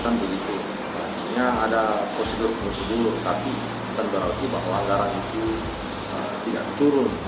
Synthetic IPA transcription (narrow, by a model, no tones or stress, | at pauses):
k̪anbəɡit̪u | basiɲaːdapɾosedʊrbərsədulut̪api | t̪anbəɾaut̪uba̰ɦlaŋɡaɾanit̪u | ə̰ | t̪ida̰ʔt̪uɾʊn